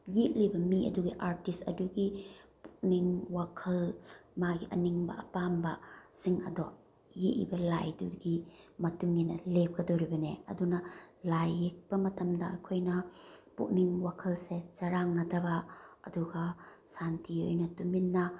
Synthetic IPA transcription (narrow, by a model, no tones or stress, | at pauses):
jiʔ̚libɐmiɐ̰duɡiʔaɾtistɐduɡipuk̚niŋwakʰɐlmaɡiʔɐ̰niŋbɐ̰ʔɐpambɐsiŋɐ̰dɔ | jiʔlḭbɐla̰jduɡimɐtuŋːinɐlep̚kʰɐdoɾibɐneɐ̰dunɐlajːek̚pɐmɐtɐmdɐɐ̰kʰojnɐpṵk̚niŋwakʰɐlset͡ʃɐɾaŋnɐdɐbɐɐ̰duɡɐsantio̰jnɐtuminːɐ